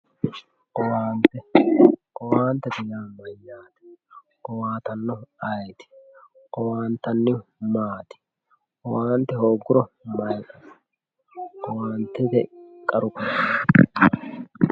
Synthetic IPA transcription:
qɔwaːnt̪ːɛqʼɔwaːnt̪ːɛt̪ɪjaːmɐjaːt̪ɪ̥ | qɔwaːt̪ɐnːɔɐjt̪ɪ̥ | qɔwaːnt̪ɐnːɪmaːt̪ɪ̥ | qɔwaːnt̪ːɛhoːɡːʊɾɔmɐjkʼːɐ̥ | qɔwaːnt̪ːɛt̪ɛkʼɐɾʊkʼɐ

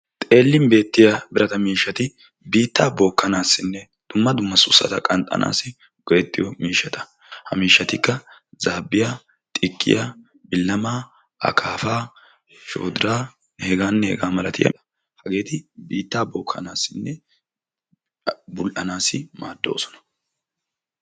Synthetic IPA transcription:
t̪ʼe̞ːlːɪmbe̞ːt̪ːɪjabɪɾɐt̪ɐmiːʃːɐt̪ɪ | biːt̪ːaːboːkːɐnaːsːɪnːɛ | d̪̥ʊmːɐd̪ʊmːɐsʊsːɐ̰t̪ɐkʼɐnt̪ʼɐ̰na̰ːsɪ | ɡ̥ɔjɛt̪ːɪjɔmiːʃːɐt̪ɐ̥ | hɐ̰miːʃːɐt̪ɪkːɐzaːbːɪja | t̪ʼɪkʼːɪ̰ja | bɪlːɐmaː | ɐ̰kʰaːfaː | ʃo̞̰ːd̪ɪɾaː | hɛɡaːnːɛhɛ̰ɡaːmɐlɐt̪ɪjɐ̰ | hɐɡe̞ːt̪ɪbiːt̪ːaːboːkʰːɐ̰naːsːɪnːɛ | bʊlʔɐnaːsɪmaːd̪ːo̰ːsɔ̥nɐ̥

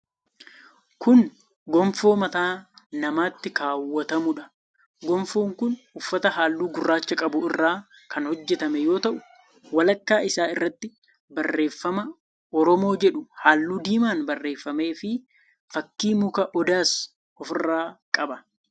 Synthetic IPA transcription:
kʊn | ɡɔmfo̞ːmɐt̪aːnɐmaːt̪ːɪkaːwːɐt̪ɐmʊᶑɐ̥ | ɡɔmfoːŋkʊnʊfːɐt̪ɐɦaːlːuːɡʊrːaːt͡ʃːɐkʼɐbʊɪrːaː | kʰɐnhɔd͡ʒːɛt̪ɐmɛjo̞ːt̪ɐʔʊ | wɐlɐkːaːʔɪsaːɪrːɐt̪ːɪ | bɐrːe̞ːfːɐmɐ | ɔɾɔmo̞ːd͡ʒɛᶑʊhaːlːuːd̪iːmaːnbɐrːe̞ːfːɐme̞ːfɪ | fɐkːiːmʊkɐʔɔd̪aːs | ɔfɪrːaːkʼɐbɐ

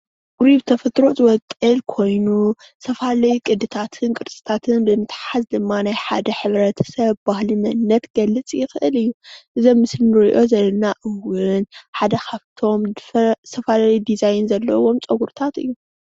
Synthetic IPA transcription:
ɡʼɾiβt̪ʰɐfɐt̪ɾo̞t̪wɔkʼɨlkʰo̞jnu | sʰɐfalɐjukʼɨd̪ɨt̪ʰat̪ʰɨnkʼɨɾt͡sʼɨ̥t̪ʰat̪ʰɨnbɨnɨt̪ʰħazd̪ɨmːanajħa̰d̪ɐħɨβɾɐt̪ʰɐ̥sɐβbahlimɐnɨnːɐt̪ɡ̥ɐlːɨt͡sʼjɪxɨʔɨlɨjːuʔɨzomːɨslinɨɾiʔo̞zɐlɐnaʔɨwʊnħad̪ɐkʰaβt̪ʰo̞msʰɐfalɐjd̪izajnzɐlːɐ̰wo̞mt͡sʼɐɡuɾt̪ʰat̪ɨ̰jːu

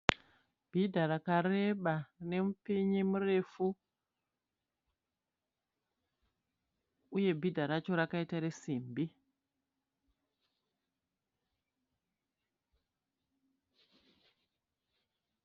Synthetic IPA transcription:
b̥ʱidʱarakare̞ɓane̞mupiɲimure̞fu | uje̞bʱidʱaɾat͡ʃo̞ɾakaitaɾe̞simbi

